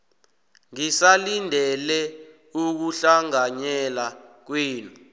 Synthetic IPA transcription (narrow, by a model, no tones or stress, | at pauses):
ŋisalindʱɛlɛ | uk̬uɬaŋaɲɛlak̬wiːnu